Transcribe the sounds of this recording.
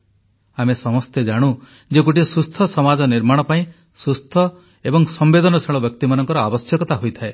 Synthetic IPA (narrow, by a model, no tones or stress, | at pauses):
amesɔmɔst̪ed͡ʒaɽ̃u | d͡ʒek̬uʈisust̪ʰɔsɔmad͡ʒɔniɾmaɽ̃ɔpaĩ | sust̪ʰɔ | ebɔŋsɔmbed̪ʱɔnɔsʰeɭ̃ɔbjɔk̚t̪imanɔŋkɔɾɔabɔsjɔkɔt̪aɦojt̪ʰae